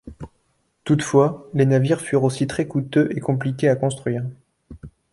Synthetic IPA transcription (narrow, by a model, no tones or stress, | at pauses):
t̪ut̪fwalenaviʁfyʁosit̪χɛkut̪øʔekɔ̃plikʲeakɔ̃st̪χɥiːʁ